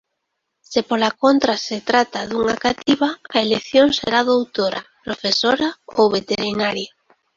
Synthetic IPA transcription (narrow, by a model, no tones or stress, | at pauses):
sepolakont̪ɾaset̪ɾat̪aðuŋakat̪iβaaelekθjoŋsḛɾaðowt̪oɾa̰pɾofesoɾaowβet̪eɾinaɾjo